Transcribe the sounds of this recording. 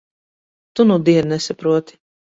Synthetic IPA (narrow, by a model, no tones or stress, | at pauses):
t̪unud̪iɛɾnɛsapɾuɔt̪i̥